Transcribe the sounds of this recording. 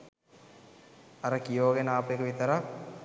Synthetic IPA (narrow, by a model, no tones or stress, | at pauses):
aɾəkijoːɡenaːpekəʋit̪əɾa